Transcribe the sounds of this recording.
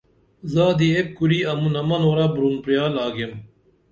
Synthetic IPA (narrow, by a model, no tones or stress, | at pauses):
zaːd̪iekkuɾiːɐmunɐmɐnoːɾabɾunpɾjaːlaːɡem